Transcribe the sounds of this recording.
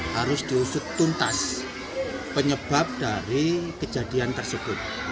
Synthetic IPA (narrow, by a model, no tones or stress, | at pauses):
haɾʊsd̪̥iusʊt̪ːunt̪as | pəɲəb̥a̤p̚d̥aɾikə̥d͡ʒadiant̪ərsəb̥ʊt̪̚